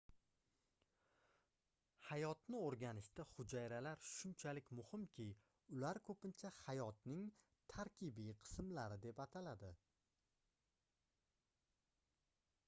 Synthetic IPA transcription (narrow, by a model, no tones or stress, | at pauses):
hajɒt̪nɪoɾɡʲanɪʃt̪aχʊd͡ʒajɾalaɾʃʊnt͡ʃʰalɪkʲmʊhɪmkʲʰɪ | ʊlaɾkʰɵpɪnt͡ʃʰahajɒt̪nɪŋ | t̪ʰaɾkʲʰɪbiqʰɨ̥smlaɾɪd̪e̞pat̪ʰalad̪ɪ